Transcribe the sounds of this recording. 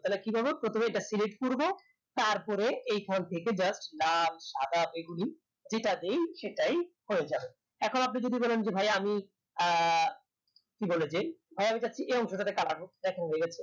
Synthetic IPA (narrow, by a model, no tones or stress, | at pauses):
t̪alekibʱabepɾot̪ʰomeeʈasiliʈkuɾbo | t̪aɾpɔɾeejkʰɔnt̪ʰeked͡ʑasʈlamʃad̪abeɡuli | d͡ʑeʈad̪ejʃeʈajhoed͡ʑabe | ɛkʰonapnid͡ʑod̪ibɔlend͡ʑebʱajami | kibɔled͡ʑebʱajamid͡ʑatːɕʰiʔeɔŋʃoʈat̪ekala̰kod̪ɛkʰenɦoeɡɛt͡ɕʰe